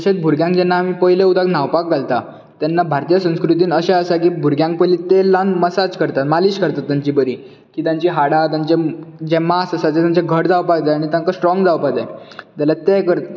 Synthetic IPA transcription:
əɕet̪̚bʱuɾɡjãŋkd͡ʑɛnːaːmiːpəjileud̪aknawpak̚ɡalt̪a | t̪janːabʱaɾt̪ijəsə̃w̃skɾut̪̬iːnəɕɛəsak̬iːbʱuɾɡjãŋk̚pəjlit̪elãnməsad͡ʑkəɾt̪at̪maliɕkəɾt̪at̪ːjaɲt͡ɕiːbəɾiː | kiːt̪jãɲt͡ɕiɦaɽat̪jãɲt͡ɕed͡ʑɛ̃masəsat͡ɕet̪jaɲt͡ɕaɡʱəɽd͡zawpakd̪aaɽ̃it̪ãŋkasʈɾɔ̃ŋɡd͡zawpad̪at̪jalat̪ekəɾt̪

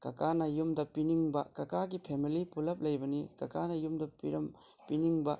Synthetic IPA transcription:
kɐkanɐjumdɐpiniŋbɐkɐkaɡipʰemilipulɐp̚lɐjbɐnikɐkanɐjumdɐpḭɾɐ̰m | piniŋbɐ

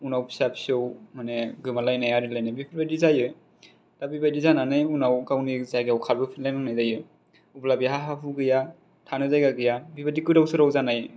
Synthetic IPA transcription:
unawpʰi̥sapʰsiowmaneɡɯmalajnajaɾilajnabipʰiɾbajdizajɯ | dabibajdizananɯjunawkawnizajɡɯawkʰaɾbɯpʰitlajmaŋnajzajɯ | uplabiɦaɦapʰuɡɯja | tʰanɯzajɡaɡɯjabibadikɯdawsɯɾawzanaj

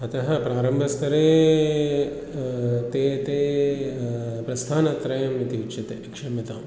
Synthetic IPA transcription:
ɐt̪ɐɦɐ̆pɾaːɾɐmbʱɐst̪ʰɐɾeː | t̪eːt̪eː | pɾɐst̪ʰaːnɐt̪ɾɐjɐmit̪it͡ʃɐt̪ekʂɐmit̪aːm

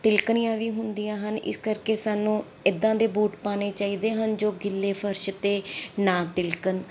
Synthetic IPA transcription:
t̪ɪlkɳijãːʋiːɦʊnd̪ijãːɦənɪ̰skəɾkeːsaːnũː | ɪd̪ːãːd̪eːbuːʈpaːneːt͡ʃaːiːd̪eːɦənd͡ʒoːɡɪlːeːpʰəɾʃt̪eːnãːt̪ɪlkən

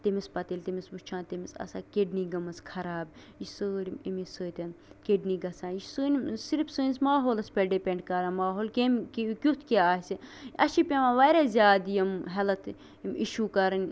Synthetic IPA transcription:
t̪emispɐt̪ilʲt̪emisbut͡ʃʰãːnt̪emisɐ̰saːkeɖniɡɐmɐskʰɐɾaːb | jisəːɾʲimimisoːt̪enkeɖniɡɐsãːjisɨːnʲsiɾfʰsuːnʲsmaːɦoːlɐspʲeɖipʲeɳɖkɐɾɐnmaːɦoːlkemkikʲut̪ʰkeaːsiɐʃipʲemãːʋɐɾezʲjaːd̪ijɐmɦɛlɐt̪ʰ | imiʃuːkɐɾɐnʲ

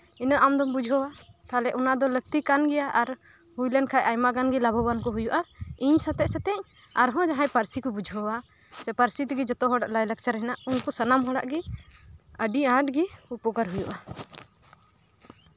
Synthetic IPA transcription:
inəʔamd̪ɔmbud͡ʒʱɔwat̪alɛʔunad̪ɔlək̚t̪ikanɡɛjaʔaɾ | hujlɛnkʰajʔajmaɡanɡilabɔbankɔɦujuʔaiɲsat̪ɛʔsɛt̪ɛɲ | aɾɦɔ̃d͡ʒaɦãjpəɾsikɔbud͡ʒʱɔwa | sɛpəɾsit̪ɡid͡ʒɔt̪ɔɦɔɽaʔlajlək̚t͡ʃaɾɦɛnaʔunkɔsənamɦɔɽa̰ʔɡi | əɖiãʈɡiupɔkaɾɦujuʔa

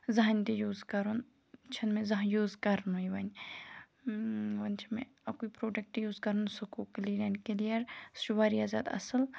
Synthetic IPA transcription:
zɐɦɐnʲd̪ejuːzkɐɾun | t͡ʃʰɐnmẽzɐɦjuːzkɐɾnujʋɐnʲ | ʋɐnt͡ʃʰimẽ | ɐkuipɾoːɖɐk̚ʈjuːzkɐɾunsukukliɾɐnkelijɐɾsʃuʋaːɾiaza̰ːd̪ɐ̰sɨl

